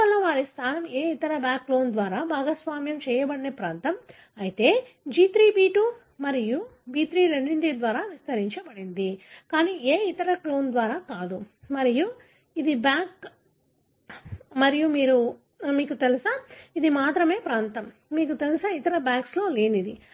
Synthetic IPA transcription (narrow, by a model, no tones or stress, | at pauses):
ɐlːɐʋaːɾist̪ʰaːlɐmeːit̪ɐɾɐbjaːkːlo̞ːnd̪ʋaːɾaːbʱaːɡɐsʋaːmjɐmt͡ʃɛːjɐbɐɽinepɾaːnt̪ɐm | ɐjit̪e̞ː | d͡ʒiːt̪ɾiːbiːʈuː | mɐɾijubiːt̪ɾiːɾeɳɖiɳɖid̪ʋaːɾaːʋist̪ɐɾiɲt͡ʃɐbɐɽind̪ikaːniːeːit̪ɐɾɐklo̞ːnd̪ʋaːɾaːkaːd̪umɐɾiju | id̪ibjaːk | mɐɾijumiːɾu | miːkut̪elɐsɐid̪imaːt̪ɾɐme̞ːpɾaːnt̪ɐmːiːkut̪elisɐit̪ɐɾɐbjaːkslo̞ːle̞ːnid̪i